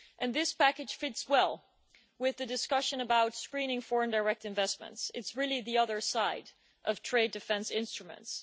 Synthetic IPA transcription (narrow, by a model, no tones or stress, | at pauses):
ʔɨ̃nðɪspʰækɨd̥ʒ̥fɪtswɛlˠ | wɪðɨdɨskʌʃɨ̃nəbaʊtskɹĩñɪ̃ŋfɔɹɨ̃ndə˞ɛk̚tɨ̃ɱvɛsmə̰̃ntsɨ̰tsɹɪlˠiðiʌðə˞saɪɾ | ʔʌv̥tʰɹ̥eɪdɨfɛ̃nsɪ̃nstɹ̥ɨmɨ̰̃nts